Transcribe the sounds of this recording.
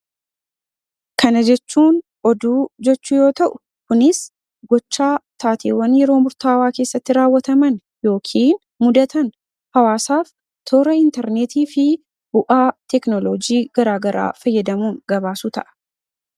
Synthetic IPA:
kʰɐnɐd͡ʒɛt͡ʃːuːn | ɔd̪uːd͡ʒɛt͡ʃːʊjo̞ːt̪ɐʔʊ | kʊnɪs | ɡɔt͡ʃːaːt̪aːt̪ʰeːwːɐnjɛɾo̞ːmʊɾt̪aːwaːke̞ːsːɐt̪ːɪɾaːwːɐt̪ɐmɐn | jo̞ːkʰiːn | mʊd̪ɐt̪ɐn | hɐwaːsaːf | t̪ʰoːɾɐɪnt̪ɛɾneːt̪iːfɪ | bʊʔaːt̪ɛknɔlod͡ʒiːɡ̥ɐɾaːɡɐɾa̰ːfɐjːɐd̪ɐmuːŋɡɐbaːsuːt̪ɐʔɐ̥

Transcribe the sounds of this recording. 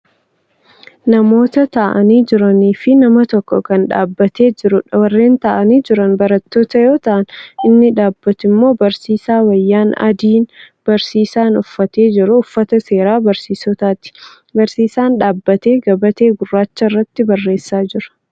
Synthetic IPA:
nɐmo̞ːt̪ɐt̪ɐʔɐniːd͡ʒɪɾɐniːfɪnɐmɐt̪ɔkːɔkɐnᶑa̰ːbːɐt̪e̞ːd͡ʒɪɾʊwɐrːe̞ːnt̪ɐʔɐniːd͡ʒɪɾɐnbɐɾɐt̪ːoːt̪ɐjo̞ːt̪ɐʔɐnɪnːɪᶑaːbːɐt̪ɪmːo̞ːbɐɾsiːsaːwɐjːaːnɐ̰d̪iːn | b̥ɐɾsiːsaːnʊfːɐt̪e̞ːd͡ʒɪɾʊːfːɐt̪ɐse̞ːɾaːbɐɾsiːsɔt̪aːt̪ɪ̥ | bɐɾsiːsaːnᶑaːbːɐt̪e̞ːɡɐbɐt̪e̞ːɡʊrːaːt͡ʃːɐrːɐt̪ːɪbɐrːe̞ːsːaːd͡ʒɪɾɐ̥

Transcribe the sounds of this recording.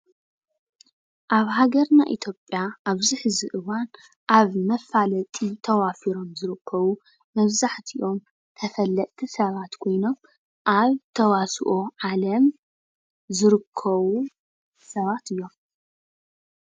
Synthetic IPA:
ʔaβɦaɡɐɾnaʔit̪ʰjo̞pʼjaʔaβziħɨziʔɨwan | ʔaβmɐfalɐt̪ʼit̪ʰɐwafiɾo̞mzɨɾɨkʰːɐβu | mɐβzaħt̪ʰiʔo̞m | t̪ʰɐfɐlːɐʔʼt̪ʰisɐβat̪kʰo̞jno̞m | ʔaβt̪ʰɐwasʔoʕalɐm | zɨɾɨkʰːɐβu | sɐβat̪ɨjːo̞m

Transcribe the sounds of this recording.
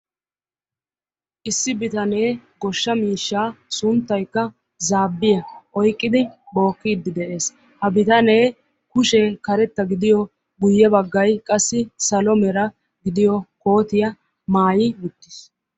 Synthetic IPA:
ʔɪsːɪbɪt̪ɐneːɡɔʃːɐmiːʃːaːsʊnt̪ːɐjkːɐ | zaːbːɪjɐʔɔjkʼːɪd̪ɪbo̞ːkːiːd̪ːɪd̪ɛʔe̞ːs | hɐbɪt̪ɐne̞ː | kʊʃeːkɐɾɛt̪ːɐɡɪd̪ɪjɔ | ɡʊjːɛbɐɡːɐjkʼɐsːɪsɐlɔmɛɾɐ | ɡɪd̪ɪjɔkoːt̪ɪjɐ | maːjɪwʊt̪ːɪ̥s

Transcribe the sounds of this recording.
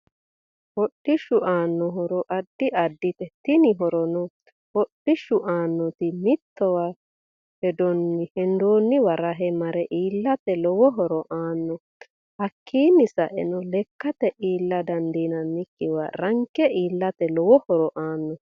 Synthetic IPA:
hɔɗːɪʃʊʔaːnːɔɦɔɾɔʔɐd̪ːɪʔɐd̪ːɪt̪ɛt̪ɪnɪɦɔɾɔnɔ | hɔɗːɪʃʊʔaːnːɔt̪ɪmɪt̪ːɔwa | hɛd̪ɔnːɪhɛnd̪oːnːɪwɐɾɐɦɛmɐɾɛʔiːlːɐt̪ɛlɔwɔɦɔɾɔʔaːnːɔ | hɐkʰːiːnɪsɐʔɛ̰nɔlɛkːɐt̪ɛʔiːlːɐd̪ɐnd̪inɐnːɪkːɪwa̰ɾɐŋkːɛiːlːɐt̪ɛlɔwɔhɔɾɔʔaːnːɔ

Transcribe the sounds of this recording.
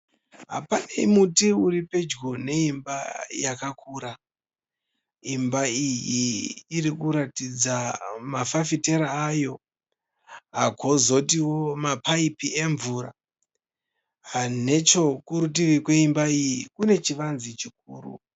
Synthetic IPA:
ɦa̰panaimutiuɾipe̞d͡ʒɡone̞imbajakakʰuːɾa | imbaijiːɾikuɾatid͡zamafafite̞ɾaːjo̞ | ɦaɡʱo̞zo̞t̬iwo̞mapaipie̞ɱvuɾa̰ | ane̞t͡ʃo̞kuɾut̬iʋikwe̞imbaijikune̞t͡ʃiʋanzit͡ʃik̚uːrṵ

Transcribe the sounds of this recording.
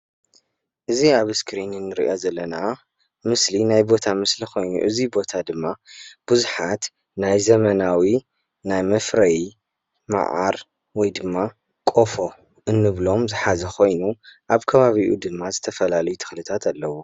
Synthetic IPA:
ʔɨziaβɨskʰɾinɨnːɨɾḭʔozɐlːɐna | mɨslinajbo̞t̪ʰamɨslixo̞jnṵʔɨzibo̞t̪ʰad̪ɨmːab̥ɨzuħat̪ | najzɐmɐnawi | najmɐfɾɐj | ma̰ʕa̰ɾ | wɔjd̪ɨmːa | kʼo̞fo̞ | ʔɨnːɨβlo̞mzɨħazɐxʰo̞jnuʔaβkʰɐβaβiʔṵd̪ɨmːazɨt̪ʰɐfɐlalɐjut̪ʰɨ̥xlɨt̪ʰat̪ʰalːɐwo

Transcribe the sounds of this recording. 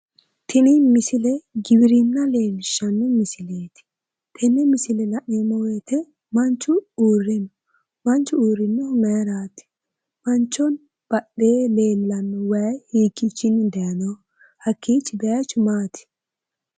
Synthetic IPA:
t̪ʰɪnɪmɪsɪlɛɡɪbɪɾɪnːɐle̞ːlɪʃɐnːɔmɪsɪleːt̪ɪ̥ | t̪ʰɛnːɛmɪsɪlɛlɐʔɪɔmɔwɛt̪ɛ | mɐnt͡ʃːʊuːrːɛnɔ | mɐnt͡ʃːʊuːɾɪnːɔmɛjɾaːt̪ɪ̥ | mɐnt͡ʃːɔn | b̥ɐɗːeːle̞ːlːɐnːɔwɐjhiːkːɪt͡ʃːɪnd̪ɛjɐnɔ | hɐkʰːiːt͡ʃːɪbɛjɐt͡ʃʊmaːt̪ʰɪ̥

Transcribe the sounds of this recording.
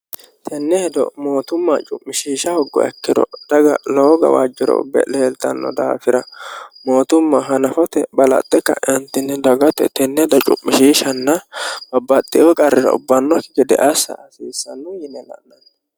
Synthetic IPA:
t̪ʰɛnːɛhɛd̪ɔ̰mo̞ːt̪ʊmːɐt͡ʃʼʊmːɪʃiːʃɐhʊɡːɔ̰ɛ̰kːɪd̪ɔ̰d̪̥ɐɡɐ̰loːɡɐ̰wa̰ːd͡ʒːɪɾɔ̰bɛ̰leːlt̪ɐ̰nːɔ̰d̪a̰ːfɪɾɐmo̞ːt̪ʊmːɐɦɐnɐfɔt̪ɛbɐlɐ̰t̪ʼːɛkːɐ̰ʔɛnt̪ːɪnːɛd̪ɐɡɔt̪ɛ̰t̪ɛnːɛd̪ɐt͡ʃʼʊ̰mːɪʃiːʃɐnːɐb̥ɐbːɐt̪ʼːɪɔkʼɐrːɪɾɐ̰ʊ̰bːɐnːɔkɪɡɛd̪ɛ̰ʔɐsːɐ̰ɐsiːsːɐnːʊjɪnɛlɐ̰ʔnɐn

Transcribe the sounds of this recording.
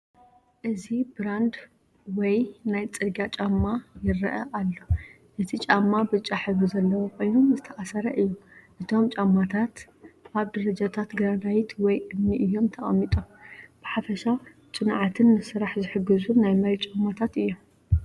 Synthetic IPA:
ʔɨzibɨɾand̪ | wɔjnajt͡sʼɨɡat͡ʃʼamːajɪɾɐ̰ʔɐʔalːo̞ | ʔɨt̪ʰit͡ʃʼamːabɨt͡ʃʼaħɨβɨzɐlːɐwokʰo̞jnumzɨt̪ʰɐʔasɐɾɐʔɨjːomʔɨt̪ʰo̞mt͡ʃʼamːat̪ʰat̪ | baβd̪ɐɾɐd͡ʒat̪ʰat̪ɡɨɾanawit̪ʰwɔjʔɨmniʔɨjːo̞mt̪ʰɐχʼɐ̰mːit̪ʼomb̥ɨħafɐʃa | t͡sʼɨnʕat̪ʰɨnːɨsɨɾaħzɨħɨɡɨzunajmɐɾt͡ʃʼamːat̪ʰat̪ɨjːom

